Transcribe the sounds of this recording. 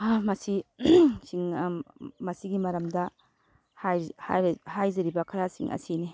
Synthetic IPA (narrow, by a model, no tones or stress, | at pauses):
mɐsisiŋ | mɐsiɡimɐɾɐmdɐ | hajhahajzɐɾibɐkʰaɾasḭŋʔɐ̰sini